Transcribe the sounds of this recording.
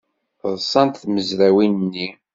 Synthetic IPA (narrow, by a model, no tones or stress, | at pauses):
θəðˤsˤɑnt̪θməzɾæwinənːi